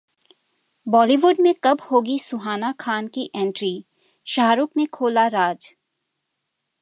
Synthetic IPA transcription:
bɔːliʋʊɖmẽkɐbhoːɡisʊɦaːnakʰaːnkiʔɛ̃ːɳʈɾiː | ʃaːɾuknekʰoːlaɾaːd͡ʒ

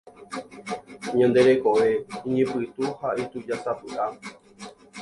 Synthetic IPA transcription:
ɲãnd̪e̞ɾe̞ko̞ʋe̞ĩɲẽpɨt̪uhait̪ud͡ʒasapɨʔa

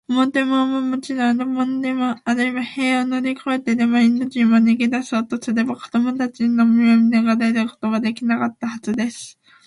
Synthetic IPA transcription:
omot̪e̞momomot͡ɕinonomonod̪emoaɾɯ̟iβahe̞ːonoɾʲikʰoe̞t̪e̞d̪e̞moinːoʑimoneɡʲid̪aso̞ːt̪osɨɾe̞bako̞d̪o̞mo̞t̪at͡ɕiɲinomiomid̪eɡad̪ed̪ɯko̞̥t̪o̞βad̪e̞kʲinakat̪ːahazɨd̪e̞sɨ̥

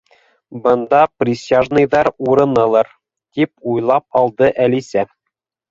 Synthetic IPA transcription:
bɤ̆nd̪ɑprʲɪsʲaʒnɤ̆jðɑɾuɾɤ̆nɤ̆lˠɤɾ | t̪ip̚ujlˠɑp̚ɒlˠd̪ɤʔælisæ

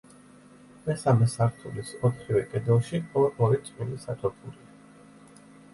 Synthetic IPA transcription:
mɛsamɛsaɾt̪ʰulisɔt̪ʰχivɛkʼɛd̪ɛlˠʃiɔɾmɔɾit̪ʼilisat̪ʰɔpʰuɾia

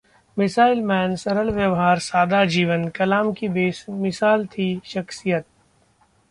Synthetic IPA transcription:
mɪsaːɪlmɛːnsɐɾəlʋjəʋɦaːɾsaːd̪ad͡ʒiːʋənkɐlaːmkibeːsmɪsaːlt̪ʰiʃɐxsijət̪̚

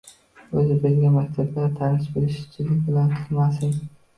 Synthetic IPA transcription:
ɵzɪbɪzɡʲamakʲt̪ʰablaɾt̪ʰanɪʃbelɪʃɪ̥t͡ʃʰɪlɪkʲbɪlant̪ʰɨ̥lmasɪŋ

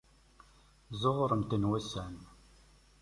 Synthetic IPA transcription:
zˤoʁɾˤəmt̪ənwæsæn

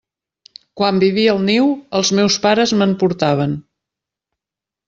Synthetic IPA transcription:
kwambiβiəəlˠniwəlˠzmewspaɾəzməmpuɾt̪aβ̞ən

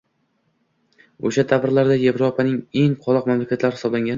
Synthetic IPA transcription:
oʃat̪ʰavɪɾlaɾd̪aje̞vɾopʰanɪŋe̞ŋqʰɒlˠɒqmamlakʲat̪laɾhɪ̥sɒblaŋɡʲan

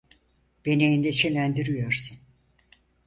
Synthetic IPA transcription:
b̥enejind̪ɛt͡ʃʰelʲænd̪iɾyjøɾsun

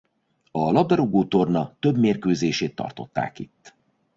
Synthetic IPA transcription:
ɒlɒb̚d̪ɛɾoɡoːt̪o̞rnɒt̪ø̞bmeːrkøːzeːʃeːt̪ːɒ̰rt̪o̞t̪ːa̰ːkit̪ː

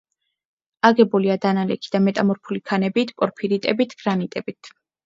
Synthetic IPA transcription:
aɡɛbuliad̪analɛkʰid̪amɛt̪ʼamɔɾpʰulikʰanɛbit̪ʰpʼɔɾpʰiɾit̪ʼɛbit̪ʰɡ̥ɾanit̪ʼɛbit̪ʰ

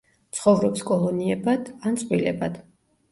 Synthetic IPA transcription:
t̪sʰχɔvɾɔpskʼɔlˠɔniɛbad̪̥ant̪sʼvilɛbad̪̥

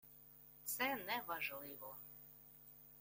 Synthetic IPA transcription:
t̪sɛnɛʋaʒlˠɪʋɔ

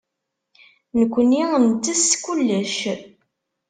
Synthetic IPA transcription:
nəkʷːəniənt̪ːəskʷulːəʃ

